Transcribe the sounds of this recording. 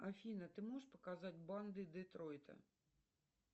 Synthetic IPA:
ɐfʲinɐt̪ɪmɔʂpɔ̥kazɑtʲbɑnd̪ɨd̪ɪt̪ɾɔjt̪ɐ̰

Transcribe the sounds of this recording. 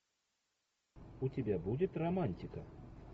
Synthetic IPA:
ut͡sʲabʲabud͡zʲɛt̪ramanʲt̪ʲikɐ

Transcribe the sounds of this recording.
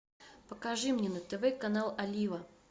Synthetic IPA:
pəkɐʐɨmnʲenət̪ɛvɛkɐnalˠɐlʲivə

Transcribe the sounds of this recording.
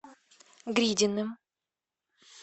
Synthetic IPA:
ɡɾʲidʲɪnːɨm

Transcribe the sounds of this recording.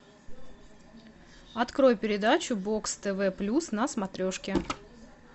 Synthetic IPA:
ɐt̪kɾo̞jpʲɪɾʲɪd̪at͡ɕʊbo̞kst̪ɛvɛplʲusnɐsmɐt̪ɾʲo̞ʂkʲɪ

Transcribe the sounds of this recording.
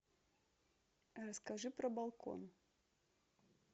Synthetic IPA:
rɐskaʐɨpɾɐbalˠkɔ̰n

